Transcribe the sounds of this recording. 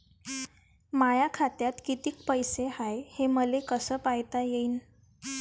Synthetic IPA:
majakʰat̪jat̪kit̪iːkpəjsehajheməlekəsəːpajt̪ajeiːn

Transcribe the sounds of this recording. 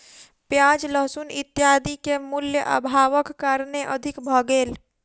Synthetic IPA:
pjaːd͡ʒləɦsunɪt̪ːjaːd̪ikemʊljəʔə̰bʱaːʋəkːəɾneʔəd̪ʱɪkbʱəɡeːl

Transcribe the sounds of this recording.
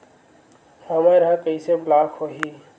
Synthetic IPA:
həməjɾəɦɛkəiseblakʰɦoɦi

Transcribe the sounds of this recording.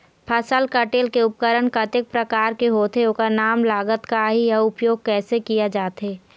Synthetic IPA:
pʰəsəlkəʈeːlkeʊp̚kəɾəɳkət̪ɪk̚pɾəkaːɾkeɦoːt̪eokanaːmlaːɡət̪kaɦijɐʊpjoːɡ̚kɛːsekijad͡ʒaːt̪ɦeː

